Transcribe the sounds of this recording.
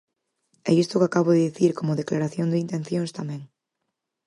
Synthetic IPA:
ɛist̪okakaβ̞oðeðiθiɾkomoðeklaɾaθjond̪eint̪ẽn̟θjõŋst̪amẽŋ

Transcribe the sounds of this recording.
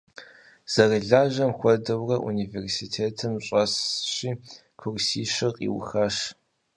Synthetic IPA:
z̥ɐrɨɮaːʒɐmxʷɔdɐwrɐʔṵniversitʰeːtʰɨmɕʼɐsɕiː | kʷʰʊrʷsiːʃɨqʼḭw̰xɐʂ

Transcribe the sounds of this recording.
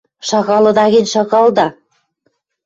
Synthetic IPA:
ʃɑɣɑlɤ̆d̪ɑɣinʲʃɑɣɑld̪ɑ

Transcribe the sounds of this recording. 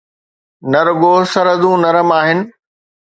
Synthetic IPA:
nɐɾɡoːsɐɾəd̪ũːnɐɾəmaːɦɪnɪ̆

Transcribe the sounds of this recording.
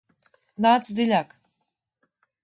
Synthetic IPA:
nat͡sd̪ilʲak

